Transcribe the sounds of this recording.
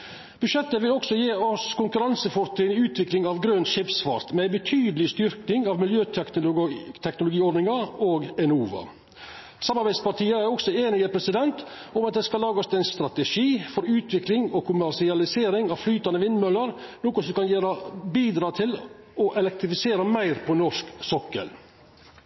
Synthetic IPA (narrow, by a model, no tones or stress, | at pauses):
b̥ʉʂɛt̪ːəʋɪlɔksɔjiːɔskʰʊŋkʉɾɑnsəfɔɾt̪ʰɾɪnɪʉːt̪ʰʋɪklɪŋɑʋɡɾœnt̪ʃɪpsfɑ̰ɾt̪mɛæɪbət̪ʰyːd̪əlɪst̪ʏɾknɪŋɑʋmɪljøːt̪ | t̪ʰɛknʊlʊɡiːɔɖ̪nɪŋɑoːɡɛnuːʋɑ̰ | sɑmːɑɾbæɪd̪spɑʈʰiːəæɾɔksɔeːnɪəpʰɾɛsɪd̪ɛnt̪ | ɔmɑt̪̚d̪ɛːskɑlɑːɡɔst̪æɪnst̪ɾɑt̪əʂiːfɔɾʉːt̪ʰʋɪklɪŋɔkʰʊmæɾʂɪɑlɪseːɾɪŋɑʋflyːt̪ɑnəʋɪnːmœləɾnɔːkɔsɔmkɑnjeːɾəbiːd̪ɾɑːt̪ʰɪl | ɔʔɛlɛk̚t̪ɾɪfɪseːɾəmæɪɾpʰɔnɔʂksɔkːə̰l